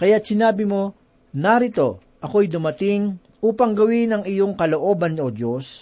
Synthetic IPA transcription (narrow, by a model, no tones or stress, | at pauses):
kɐjat̪̚sɪnaːbɪmo̞ | naɾɪt̪o̞ | ʔɐko̞jd̪ʊmɐt̪ɪŋ | ʔuːpɐŋɡɐwɪnɐŋɪjoŋkɐlo̞ʔo̞ːbɐnod̪jos